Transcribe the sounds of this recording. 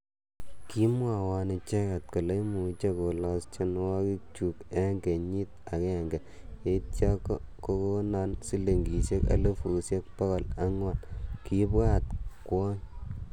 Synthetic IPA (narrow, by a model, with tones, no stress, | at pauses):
ki˦mwa˨wa˧nɪ˨t͡ʃe˦ka˨t̚ko˨le˦mu˨t͡ʃe˦ko˨lɔ˨st͡ʃe˦n˦wɔ˦ki˦k̚t͡ʃu˨ke˦ŋɡe˨ɲi˦t̚a˨kɛ˦˨ŋɡɛ˨ | e˦tt͡ʃa˦kɔ˦ko˦ko˦na˦nsi˦le˨ŋɡi˨se˦ka̰˨˦le˦fu˨sje˦k̚pa˦kɔ˨la˦ŋwa˨nki˦pɣa˦˨t̚kwɔ˦ɲ